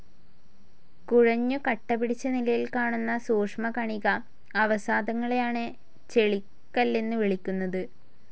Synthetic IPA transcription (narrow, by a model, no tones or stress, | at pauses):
kuɻɐɲːukɐʈːɐpːiɽit͡ɕːɐnilɐjilkaːɳunːɐsuːʂmɐkɐɳiɣɐː | ʋɐsaːd̪ɐŋːɐɭejaːɳɨ | t͡ɕe̞ɭikːɐlːe̞nːɨʋeɭikʲːunːɐðɨ